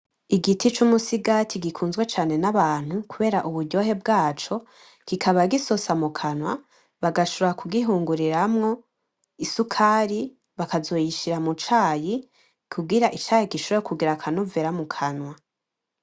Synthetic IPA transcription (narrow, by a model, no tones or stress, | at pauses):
iɡitit͡ʃumusiɡatʰiɡikʰuːnzɡwet͡ʃaːne̞naβaːn̥hukuβe̞ːɾaʔuβuɾɟo̞ɦe̞bɡaːt͡ʃo̞ | ɡ̥ikʰaβaɡisosamukʰanwa | βaɡaʃoɾoɾakʰuɡiɦuːŋɡuɾiɾamŋo̞ | isukʰaːɾi | βakazo̞jiʃiɾamut͡ʃaːji | kʰubɡiɾaʔit͡ʃaːjiɡiʃoɾojokuɡiɾakʰanuveɾamukʰanwa